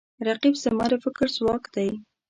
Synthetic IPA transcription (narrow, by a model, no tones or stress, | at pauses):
ɾaqibsamɑɾefɪkɾzwɑkd̪aj